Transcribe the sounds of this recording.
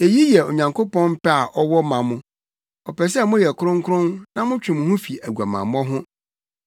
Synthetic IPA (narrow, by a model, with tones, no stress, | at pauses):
e˨ji˦jɛ˨o˨ɲã˨ŋkʰo˦pɔ̃˦nm̩˦pɛ˦a˨ʔɔ˦wɔ˦mã˨mʊ̃˦ | ɔ˨pʰɛ˨s̬ɛ˦˨mʊ̃˦jɛ˨kʰʊ˦ɾʊ̃˦ŋkʰʊ˦ɾʊ̃˦nnã˦mʊ̃˦t͡ɕᶣɪ̃˨mʊ̃˨hʊ̃˦fi˨æ˨ɡu˨a˨mã̰˨m˦ɔ˦ɦʊ̃˦